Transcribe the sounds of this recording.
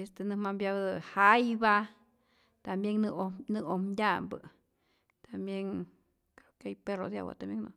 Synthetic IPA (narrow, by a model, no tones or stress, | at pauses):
est̪enɨhmambjabd̪ɨhajba | t̪ambjeŋnnɨomd̪ʲambɨ | t̪ambjeŋ | akajperod̪ja̰wa̰t̪ambjeŋno̰